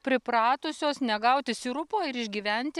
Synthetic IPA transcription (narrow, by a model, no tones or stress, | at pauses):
pʲɾʲɪpɾɑːt̪ʊsʲoːsnʲɛɡɐʊt̪ʲɪsiɾʊpoːɪɾɪʒʲɡʲiːʋʲɛnʲt̪ʲɪ